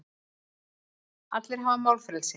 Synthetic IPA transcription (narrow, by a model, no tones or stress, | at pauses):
a̰t̪lɪɾ̥ɦavamawlfɾɛlsɪ